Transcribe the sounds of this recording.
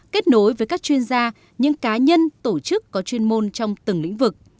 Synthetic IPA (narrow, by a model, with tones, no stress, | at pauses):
ke˦˥t̚no˨˦jvəː˨˦jkaː˦˥k̚t͡ɕwi˧ənzaː˧ | ɲɨ̰˧˥ŋkaː˨˦ɲə˧nt̪o˧˩t͡ɕɨ˦˥kːɔ˨˦t͡ɕwi˧ənmo˧nt͡ɕɔ˧wŋ͡mt̪ɨ˨˩ŋlḭ˧˥ŋ̟vɨ˨˩k̚